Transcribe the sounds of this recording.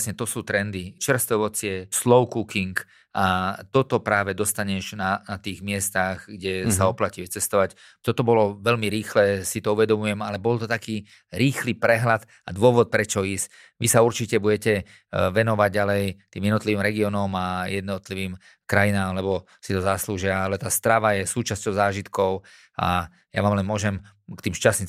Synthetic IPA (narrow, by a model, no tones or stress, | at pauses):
sɲɛt̪ɔsuːt̪ɾɛnd̪it͡ʃr̩st̪ɛʋɔt͡sɪɛslɔʊkukiŋk | at̪ɔt̪ɔpɾaːʋɛd̪ɔst̪aɲɛʒnanat̪iːɣmɪɛst̪aɣɡɟɛsaɔplaciʋɛt͡sɛst̪ɔʋac | t̪ɔt̪ɔbɔlɔʋɛʎmiɾiːxlɛsit̪ɔuʋɛd̪ɔmujɛmalɛbɔlt̪ɔt̪akiː | ɾiːxliːpɾɛɦlad̪ | ad̪ʊɔʋɔt̪̚pɾɛt͡ʃɔiːs | ʋisauɾt͡ʃicɛbuɟɛcɛ | ʋɛnɔʋaɟ̚ɟalɛjt̪iːmjɛd̪nɔt̪liʋiːmɾɛɡiɔːnɔmajɛd̪nɔt̪liʋiːm | kɾajinaːmlɛbɔ | sit̪ɔzasluʒɪaalɛt̪aːst̪ɾaʋajɛsuːt͡ʃascɔʊzaːʒit̪kɔʊ | a̰ | ja̰ʋaːmlɛnmʊɔʒɛm | kt̪iːmʃt͡ʃasɲi